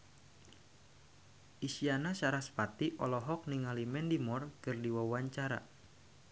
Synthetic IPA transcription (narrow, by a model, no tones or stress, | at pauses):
ʔisianasaɾaspat̪iʔɔlɔɦɔk̚niŋalimɛndimɔrkɨrdiwawaɲt͡ʃaɾa̰